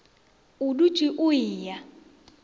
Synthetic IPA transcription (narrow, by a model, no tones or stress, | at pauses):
udu̥t͡ʃʼiʔʊiːja